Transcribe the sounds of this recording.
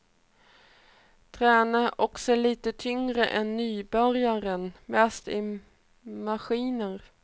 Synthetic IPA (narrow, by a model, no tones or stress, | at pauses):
t̪ʰɾɛːnaʔɔksɔæɭiːt̪ət̪ʰʏŋɾəʔɛnːyːbœɾjaɾənmɛst̪ɪ | maɧiːnəɾ